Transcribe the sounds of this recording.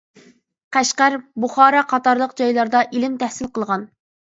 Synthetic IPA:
qʰæʃqæɾbuχɑːɾɑqʰɑt̪ɑɾlˠəqd͡ʒɑjlˠɑɾd̪ɑʔilɪmt̪ʰɛhsɪlqəlˠʁɑn

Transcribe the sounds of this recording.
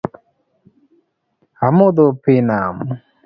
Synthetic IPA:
amɔd̪ɔpenam

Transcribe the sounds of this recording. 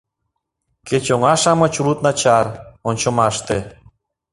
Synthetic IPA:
ket͡ɕoŋɑʃɑmɤ̆t͡ɕulut̪nɑt͡ɕɑronʲt͡ɕŏmɑʃt̪e

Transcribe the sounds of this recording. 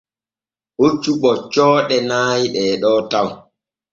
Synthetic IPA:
hot͡ʃːuɓɔt͡ʃɔːɗɛnaːjɗɛːɗɔːtaw

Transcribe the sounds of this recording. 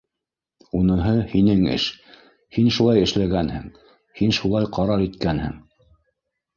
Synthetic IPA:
unɤ̆ɦɤhinɘŋɘ̰ʃ | hinʃulˠɑjɘ̆ʃlæɡænhɘ̰̆ŋ | hinʃulˠɑjqʰɑɾɑɾit̪kænhɘ̰̆ŋ

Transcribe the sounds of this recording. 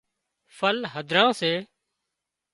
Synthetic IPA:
fʰəlɦəd̪ʱɾãːseː

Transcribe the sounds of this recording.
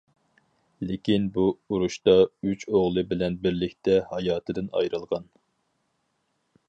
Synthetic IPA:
lekʲinbuuɾuʃt̪ɑyt͡ʃʰoʁlˠɨbɪlɛnbɪɾlɪkʲt̪ʰɛhɑjɑːt̪ʰɨd̪ɨnɑ̰jɾɨlˠʁɑn

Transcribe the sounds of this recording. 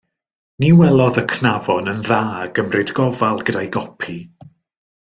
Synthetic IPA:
niwɛlˠɔðəkʰnavɔnənðaːəɡ̥əmrɪdɡɔvalˠɡədajɡɔpʰi

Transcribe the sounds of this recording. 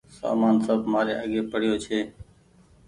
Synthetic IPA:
sa̰ːmaːnsəbmaːɾḛːʔəɠeːpəɽ̤ɪjoːt͡ʃʰeː

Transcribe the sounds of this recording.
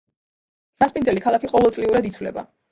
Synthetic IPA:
ɾaspʼind̪zɛlikʰalˠakʰiqʼɔvɛlˠt̪ʼliuɾad̪it̪sʰwlɛ̰ba̰

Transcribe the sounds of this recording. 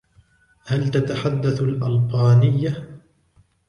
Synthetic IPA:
halt̪at̪aħad̪ːaθalʔalqɑːnɪjːa

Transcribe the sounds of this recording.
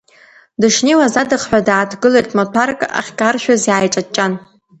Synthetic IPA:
dɨʂnewazadɨχħʷᶣadaːtʰɡɨlejtʼmatʷʰarkʼa̰χʲkʼarʃᶣazjaːjʈ͡ʂʼat͡ʃʼan

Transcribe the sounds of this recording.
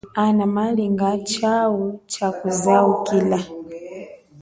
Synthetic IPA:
anamaliŋɡat͡ʃaut͡ʃakuzaukila

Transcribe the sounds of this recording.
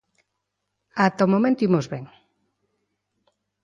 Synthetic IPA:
at̪omomẽnt̪uimozβeŋ

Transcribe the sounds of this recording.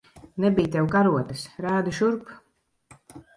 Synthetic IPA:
nɛbijt̪ɛwkaɾuɔt̪asɾaːd̪uʃuɾp

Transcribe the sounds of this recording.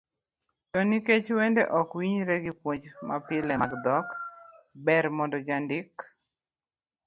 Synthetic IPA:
tɔniket͡ʃwendeʔɔkwiɲɾɛɡipwoɲd͡ʒma̰pɪlɛaɡd̪ɔkbɛɾmɔndɔd͡ʒandɪk

